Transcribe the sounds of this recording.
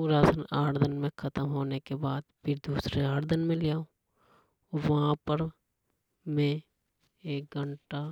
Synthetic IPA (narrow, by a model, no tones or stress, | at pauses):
uɾaːsənaːɾd̪ʱənmẽkʰɐt̪əmɦoːnekebaːd̪pʰɪɾd̪uːsɾeaːɾd̪ʱənmẽlɪjaːõ | ɔːʋɐɦãpəɾ | mẽ | eːk̚ɡʱəɳʈa